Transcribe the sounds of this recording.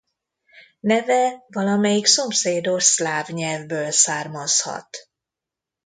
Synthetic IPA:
nɛvɛvɒlɒmɛjikso̞mseːd̪o̞ʃslaːvɲɛlvbøːlsaːrmɒshɒ̰t̪

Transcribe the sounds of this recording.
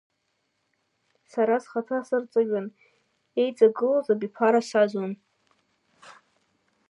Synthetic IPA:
saɾasχatʰasɨrt͡sʼɨʒᶣʊn | e̞jt͡sʼaɡɨlazabipʰaɾasazon

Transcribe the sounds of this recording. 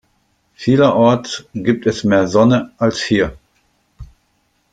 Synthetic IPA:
fiːlɐʔɔɐtsɡ̥iːp̚tɛsmeːɐzɔnəalshiːɐ

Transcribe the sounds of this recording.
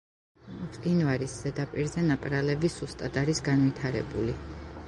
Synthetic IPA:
pʼd̪invaɾisz̥ɛd̪apʼiɾzɛnapʼɾalɛbisust̪ʼad̪aɾisɡanvit̪ʰaɾɛ̰bṵli

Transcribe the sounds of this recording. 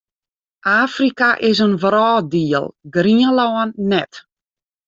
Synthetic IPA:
ʔaːfrikaʔɪsənvrɔːdiəlˠɡriəlɔːənːɛt

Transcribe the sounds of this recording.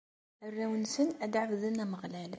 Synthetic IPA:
ərːæwənsənʔæd̪ʕafðənæməɣlæl

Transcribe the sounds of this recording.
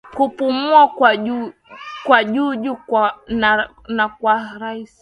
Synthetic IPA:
kupumuakwaʄukwaʄuːʄukana | nakwaɾais

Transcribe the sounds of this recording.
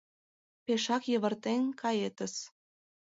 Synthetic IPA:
peʃɑkjə̆βə̆rt̪enkʰɑjet̪ə̆s

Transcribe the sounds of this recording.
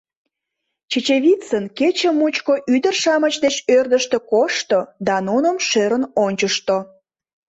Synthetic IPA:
t͡ɕet͡ɕeβʲit͡sənket͡ɕə̆mːut͡ɕkoʔyd̪ərʃɑmət͡ɕd̪et͡ɕørd̪əʃt̪ĕkoʃt̪od̪ɑnunəmʃeɾənonʲt͡ɕəʃt̪o

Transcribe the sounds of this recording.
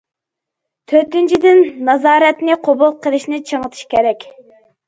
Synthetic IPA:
t̪ʰøɾt̪ynt͡ʃʰid̪ɪnːɑzɑːɾɛt̪nɪqʰobulˠqʰəlˠɨʃnɪt͡ʃʰəŋət̪ʰɨ̥ʃkʲʰeɾɛkʲ

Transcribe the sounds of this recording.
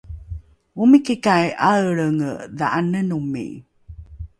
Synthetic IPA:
umikikajʔaɭəŋða̰ʔanənumḭ

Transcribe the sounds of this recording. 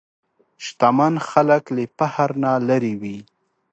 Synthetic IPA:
ʃt̪amanxaləklepahaɾnalaɾiwi

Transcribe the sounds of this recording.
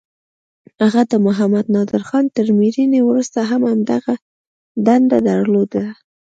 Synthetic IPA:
haɣad̪əmʊɦamad̪nɑd̪ɪɾxɑnt̪əɾmiɾinewɾust̪aɦamamd̪aɣa | d̪and̪ad̪əɾlod̪a

